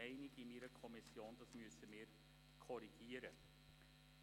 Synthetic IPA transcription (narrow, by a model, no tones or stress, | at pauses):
ɛɪnɪɡimiːɾəkʰɔmɪsɪɑnt̪əsmyːsəmeːɾ | kʰɔɾɪɡeːɾə